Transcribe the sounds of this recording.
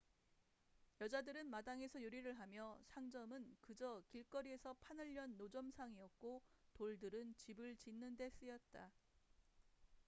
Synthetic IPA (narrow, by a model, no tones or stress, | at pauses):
jʌd͡ʑadɯɾɯnmadaŋe̞sʰʌjuɾiɾɯɭɦamjʌsʰaŋd͡ʑʌmɯnkɯd͡ʑʌkiɭk͈ʌɾie̞sʰʌpʰanɯʎːʌnːod͡ʑʌmsʰaŋiʌk̚k͈otoɭdɯɾɯnt͡ɕibɯɭt͡ɕinːɯnde̞s͈ɯjʌt̚t͈a